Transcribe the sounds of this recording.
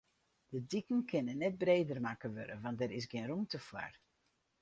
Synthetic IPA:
d̥ədikən̩kʰɪnənːɛt̚breːdərmakəʋø̰ɾə̰ʋɑntdɛɾɪsɡenrumtəfwa̰r

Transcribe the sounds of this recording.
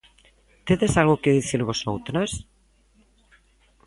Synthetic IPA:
t̪eðesalɣokeðiθiɾβosowt̪ɾas

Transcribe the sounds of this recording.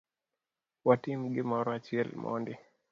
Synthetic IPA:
watimɡemɔɾat͡ʃiɛlmʔɔ̰ndi

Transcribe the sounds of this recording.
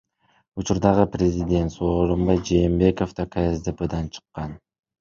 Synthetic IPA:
ut͡ʃuɾd̪ɑʁɯprʲezʲidʲe̞nt̪soːɾombɑjd͡ʒe̞ːmbe̞ko̞ft̪akʰaezd̪eped̪ɑnt͡ʃʰɯ̥qːɑn

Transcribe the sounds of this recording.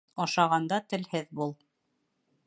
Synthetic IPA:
ɑʃɑʁɑnd̪ɑt̪ɘ̆lhɘðbulˠ

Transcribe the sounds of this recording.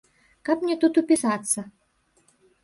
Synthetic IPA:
kapmnʲet̪ut̪upʲisɑt̪st͡sːə

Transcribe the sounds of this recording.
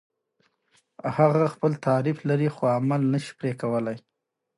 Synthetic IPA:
haɣaxpəlt̪ɑɾɪflaɾixoamalnəʃi̥pɾekawəlaj

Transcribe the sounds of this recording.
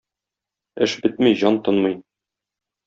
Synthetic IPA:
ɘʃbɘt̪̚miʑɑnt̪ɤ̆nmɤ̆j

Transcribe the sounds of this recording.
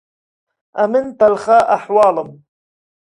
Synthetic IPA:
ʔamɪnt̪alxaːʔaħwɑːlɨm

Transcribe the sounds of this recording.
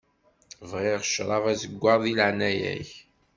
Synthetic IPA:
vʁeʁʃɾˤɑvæzəɡʷːɑɾˤðilʕnæjæ̰ç

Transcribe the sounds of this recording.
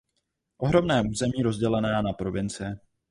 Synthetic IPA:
ʔo̞ɦɾo̞mnɛːʔuːzɛmiːɾo̞zɟɛlɛnaːnapɾo̞vɪnt͡sɪ

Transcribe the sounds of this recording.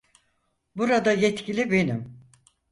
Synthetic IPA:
buɾad̪ajɛt̪cilʲibe̞nim

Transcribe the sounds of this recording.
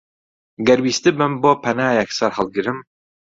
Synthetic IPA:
ɡɐɾwiːst̪ɨbɨmboːpʰɐnaːjɛksɐɾhɐlˠɡɨɾɨm

